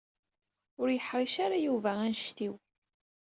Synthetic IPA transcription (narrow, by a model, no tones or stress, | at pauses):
ʊɾjəħɾˤiʃaɾajuvæænʃt̪iw